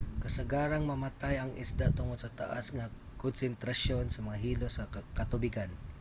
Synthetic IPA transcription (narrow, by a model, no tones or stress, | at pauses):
kɐsaɡaːɾaŋmɐmat̪ajɐŋʔɪ̰sd̪at̪ʊŋod̪sɐt̪a̰ʔasŋa | konsɛnt̪ɾaʃjonsɐmɐŋaɦiːlosakat̪ʊbɪkan